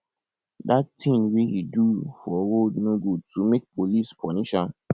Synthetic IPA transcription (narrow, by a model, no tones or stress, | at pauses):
datʰĩŋwehidufɔwodnõɡotʰumek̚pʰolispʰɔnĩʃãn